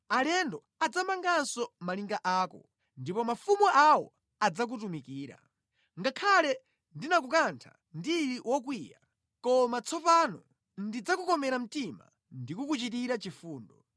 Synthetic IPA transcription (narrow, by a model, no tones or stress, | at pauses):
alɛndɔ | ad͡zamaŋɡansɔmaliŋɡaʔaːkɔ̰ | ndipɔmafumuʔawɔ̰ | ad͡zak̬utumikiːɾa̰ | ŋɡakʰalɛ | ndinak̬ukantʰa̰ | ndiɾiwɔk̬wiːja̰ | kɔmat͡sʰɔpanɔ̰ | ndid͡zakukɔmɛɾam̩tima̰ | ndikukut͡ʃit̬iɾat͡ʃifuːndɔ